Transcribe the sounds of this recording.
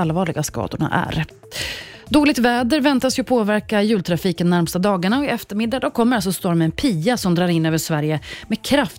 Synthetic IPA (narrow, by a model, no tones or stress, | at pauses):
alvɑːɭɪɡaskɑ̰ːd̪ʊɳa̰ʔæ̰ɾ | d̪oːlɪɡ̚t̪vɛːd̪əɾvɛnt̪asjɵpʰoːvæɾkajʉ̟ːlt̪ʰɾafiːkənːæɾmst̪ad̪ɑːɡaɳaɔɪɛft̪əɾmɪd̪ːad̪ɔkʰɔmːəɾalsɔst̪ɔɾmɛɛnpʰiːasɔmd̪ɾɑːɾɪnːøːvəʂvæɾjəmɛkʰɾaf